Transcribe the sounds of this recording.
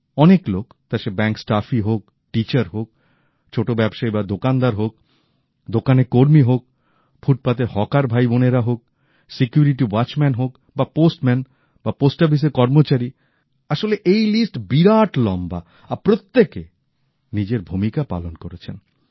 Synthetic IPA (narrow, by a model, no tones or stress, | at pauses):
ɔneklokt̪aʃebɛŋksʈafiɦok̚ | ʈit͡ɕaɾɦok̚ | t͡ɕʰoʈobɛbʃaibad̪okand̪aɾɦok̚ | d̪okanekoɾmiɦok̚ | fʰuʈ̚pat̪eɾhɔkaɾbʱajboneɾaɦok̚ | sikjuɾiʈiwat͡ɕmɛnɦok | baposʈmɛn | baposʈabʱis̬eɾkɔɾmot͡ɕaɾi | aʃoleʔejlisʈbiɾaʈlɔmba̰ | apɾot̪ːeke | nid͡ʑeɾbʱumikapa̰lonkoɾet͡ɕʰḛn